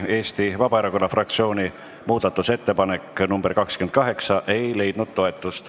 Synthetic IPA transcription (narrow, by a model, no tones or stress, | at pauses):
e̞ːst̪ivɑb̥ɑeɾɑko̞nːɑfrɑk̚t̪sio̞ːni | muːd̪ɑt̪ːˑuse̞t̪ːe̞pɑne̞kːnumb̥erkɑkskymenkɑɦe̞ksɑʔe̞jle̞jd̪̥nud̪̥̚t̪ːo̞e̞t̪ːˑust̪